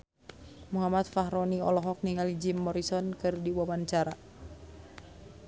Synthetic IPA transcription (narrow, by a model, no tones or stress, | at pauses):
muɦamat̪̚fahɾɔniɔlɔɦɔk̚niŋalid͡ʒimːɔɾisɔnkɨrdiwawaɲt͡ʃaɾa